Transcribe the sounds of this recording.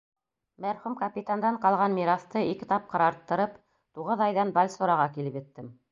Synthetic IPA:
mæɾχumkapʲit̪and̪ɑɴqɑlˠʁɑnmiɾɑθt̪ɤikɘ̆t̪ɑp̚qɤ̆ɾɑɾt̪ːɤ̆ɾɤp | t̪uʁɤðɑjðɑnbɑlʲsŏɾɑʁɑkilɘpjɘ̆t̪ːɘm

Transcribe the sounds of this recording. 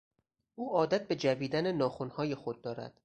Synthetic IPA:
ʔuːɒːd̪æt̪̚be̞d͡ʒæviːd̪ænenɒːxonhɒːje̞xod̪̚ːɒːɾæ̰d̪̥

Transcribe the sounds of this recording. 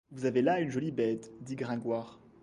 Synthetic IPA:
vuzavelaynʒɔlibɛt̪d̪iɡʁɛ̃ɡwaːʁ

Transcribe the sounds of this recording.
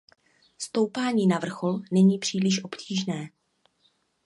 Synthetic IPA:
st̪o̞wpaːɲiːnavr̩xo̞lnɛɲiːpr̝̥iːlɪʃʔo̞pcʰiːʒnɛː

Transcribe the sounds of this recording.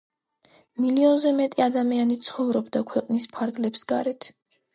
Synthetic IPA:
miliɔnzɛmɛt̪ʼiad̪amianit̪sʰχɔvɾɔbd̪akʰwɛqʼnispʰaɾɡlɛpsɡa̰ɾɛt̪ʰ

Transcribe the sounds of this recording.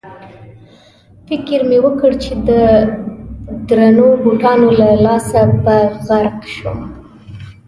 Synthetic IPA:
fɪkɪɾmewəkəɽt͡ʃed̪ə | d̪ɾanoboʈɑnolalɑsabaɣaɾqʃum

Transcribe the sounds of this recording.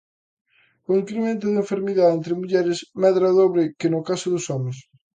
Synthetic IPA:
oiŋkɾemẽnt̪ʊðeɱfeɾmiðaent̪ɾɪmuʎɛɾɪsmɛðɾaðoβɾɪkɪnʊkasʊðʊsɔmes

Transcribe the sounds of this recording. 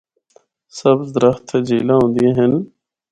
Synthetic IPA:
səbd̪ɾəxt̪ʰd͡ʒiːlãːɦõːnd̪iẽɦən

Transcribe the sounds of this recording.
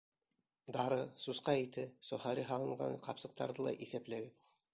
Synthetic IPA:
d̪ɑɾɤsusqɑit̪ɘsohɑɾʲiɦɑlˠɤ̆ɴʁɑ̰ɴqɑpsɤ̆q̚t̪ɑ̰ɾðɤlˠɑ̰ʔiθæplæɡɘð

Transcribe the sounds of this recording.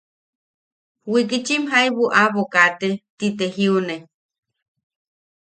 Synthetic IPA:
wik̬it͡ʃimɦaiβuʔaβokat̪et̪it̪eɦiune

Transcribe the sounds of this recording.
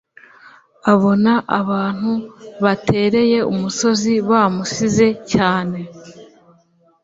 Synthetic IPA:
aβo̞naʔaβaːn̥huβatʰe̞ːɾe̞je̞umuso̞ziβaːmusize̞caːne̞

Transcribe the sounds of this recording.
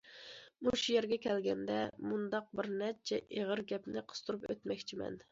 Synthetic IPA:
muʃujeɾɡʲɛkʲʰɛlɡʲɛnd̪ɛmund̪ɑq̚bɪɾnɛt͡ʃʰɛʔeʁəɾɡʲɛpnɪqʰə̥st̪ʰuɾupøt̪mɛkʲt͡ʃʰimɛ̰n

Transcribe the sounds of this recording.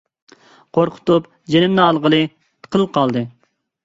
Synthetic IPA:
qʰoɾqʰʊ̥t̪up | d͡ʒenɪmnɨɑlˠʁəlˠɨ | t̪ʰə̥qʰəlqʰɑlˠd̪ɨ

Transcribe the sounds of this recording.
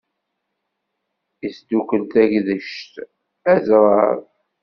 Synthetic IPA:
isd̪ukʷəlt̪æʝðəʃt̪ | æzɾˤɑɾˤ

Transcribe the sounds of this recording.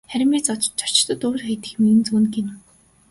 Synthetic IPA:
χæɾʲɪ̆meːt͡sɔt͡ɕt͡ɕʰɔ̥r̥t͡ɕt̪ə̆t̪ʊːɾ̆t̪χejt̪ɘ̆xmiɘ̆nt͡sunɡin

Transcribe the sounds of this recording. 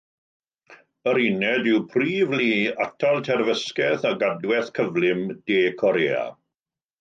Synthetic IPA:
əɾinɛdɪwpʰriːvliːatʰalˠtʰɛrvəskɛθaɡadwɛθkʰəvlɪmd̥eːkʰɔɾeːa̰

